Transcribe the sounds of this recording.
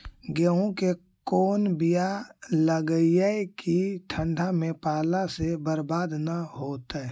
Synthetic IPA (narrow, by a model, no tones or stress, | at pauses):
ɡɛõke | koːnbijaləɡəijəkiʈʰə̃ɳɖʱamẽpaːlasebəɾbaːd̪naɦoːt̪ː